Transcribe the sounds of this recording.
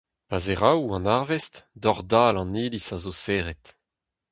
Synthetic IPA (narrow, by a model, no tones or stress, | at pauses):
pazeʁawɑ̃naʁvɛstdɔʁdaːlɑ̃niːlisazoseːʁɛt